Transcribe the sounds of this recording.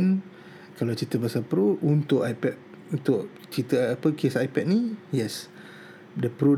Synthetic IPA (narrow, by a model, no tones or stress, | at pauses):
n | kalat͡ʃit̪əbasapəɾuunt̪ʊʔajpɛt̚ | unt̪ʊʔ | t͡ʃit̪əapəkesajpɛt̚nijɛs | dəpəɾu